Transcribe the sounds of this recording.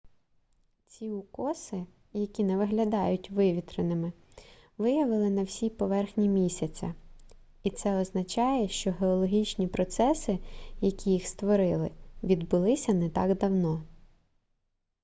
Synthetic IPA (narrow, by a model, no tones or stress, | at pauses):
t͡sʲiʊkɔsɪ | jɐkʲinɛʋɪɦlʲɐd̪ɑjʊtʲʋɪʋʲit̪ɾenɪmɪ | ʋɪjɐʋɪlˠɪnɐwsʲipɔʋɛrxnʲimʲisʲɐt͡sʲɐ̰ | it̪sɛɔznɐt͡ʃɑjɛʃt͡ʃɔɦeɔlˠɔɦʲit͡ʃʲnʲipɾɔt̪sɛsɪjɐkʲʰijixst̪ʋɔɾɪlˠɪʋʲid̪bʊlˠɪsʲɐnɛt̪ɑɡd̪ɐwnɔ